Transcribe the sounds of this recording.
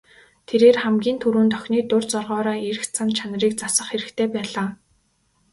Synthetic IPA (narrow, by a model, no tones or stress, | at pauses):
t̪ʰeɾeːrχæmɡʲiːnt̪ʰuɾuːnt̪œxʲniːt̪ʊrt͡sɔrʁɔːɾaːeɾɘ̆xt͡sʰant͡ɕʰanə̆riːk̚t͡sasə̆χeɾɘ̆kt̪ʰeːpæːɮaː